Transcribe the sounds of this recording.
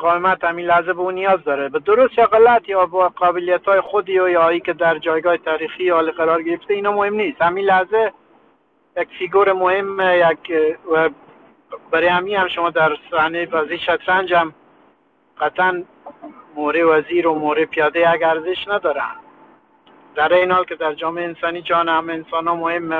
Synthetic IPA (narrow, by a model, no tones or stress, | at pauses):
ʊqɑwɪmat̪hamilahzɛbəunijɒzd̪ɒɾabəd̪ʊɾʊst̪jɔɣalat̪jɒbqɑbɪlijat̪ʰɔːjexʊd̪iojɔiked̪aɾd͡ʒɒːjɡɒːhet̪ʰaɾixiɒliqaɾɒɾɡɪɾɪft̪einɔmʊhɪmnist̪hamilahze | jakfiɡoɾɪmʊhɪmːejaɡwa | baɾehamihamʃʊmɔːd̪aɾsahnevaziʃat̪ɾand͡ʒam | qat̪an | moɾewaziɾomoɾepijɑd̪ejaɡaɾzɪʃnad̪ɒːɾa̰n | d̪aɾejnɪhɔːlked̪aɾd͡ʒɔːmeːnsɑnid͡ʒɑnhameːnsɔnɔmʊhɪmːe